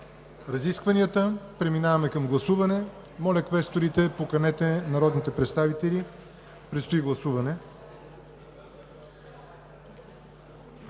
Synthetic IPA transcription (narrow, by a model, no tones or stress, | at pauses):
ɾɐziskvɐnijət̪əpɾɛminavɐmɛkɐmɡlˠɐsuvɐnɛ | mɔlʲəkvɛst̪oɾit̪ɛpokɐnɛt̪ɛnɐɾɔd̪nit̪ɛpɾɛt̪st̪avit̪ɛlʲi | pɾɛt̪st̪oiɡlˠɐsuvɐnɛ